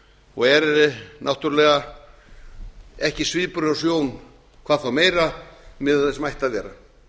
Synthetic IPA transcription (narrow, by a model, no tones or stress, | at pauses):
ɔɣɛɾɛɾɪnawht̪ʏɾlɛːɣa | ɛhcɪsvɪːpʏɾasjoːwn | kʰvaːðfawmeːjɾamɪðaθɪsmajht̪aðvjɛːɾa